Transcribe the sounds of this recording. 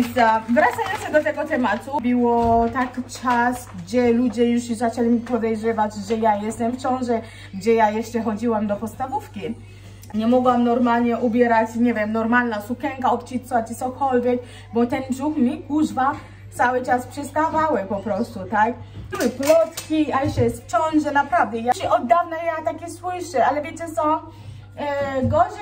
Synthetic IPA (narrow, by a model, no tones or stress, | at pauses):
vzavɾat̪sajɔnsɛd̪ɔt̪ɛɡɔt̪ɛmat̪ubɘwɔt̪akʲit͡ʂasɡd͡ʑɛlud͡ʑɛjuʂzat͡ʂɛlʲimʲipɔd̪ɛjʐɛvad͡ʑʐɛjajɛst̪ɛmft͡ɕɔ̃w̃ʐɛ | ɡd͡ʑɛjajɛʂt͡ʂɛxɔd͡ʑiwamd̪ɔpɔt̪st̪avufkʲi | ɲɛmɔɡwamnɔɾmalɲɛʔubʲjɛɾat͡ɕɲɛvʲjɛmnɔɾmalnasukɛŋkaɔpt͡ɕit̪svat͡ɕɛt̪sɔkʰɔlvʲjɛk̚ | bɔt̪ɛnbʐukmʲikuʐva | t̪sawɘt͡ʂaspʂɛst̪avawɛpɔpɾɔst̪ut̪akb̥ɘwɘplɔt̪kʲiajɛɛjɛst̪ft͡ɕɔ̃w̃ʐɛnapɾavd̪ɛjaɕɛʔɔd̪ːavnajat̪akʲɛswɪʂɛalɛvʲjɛt͡ɕɛsɔ̃w̃ | ɡɔʐɛ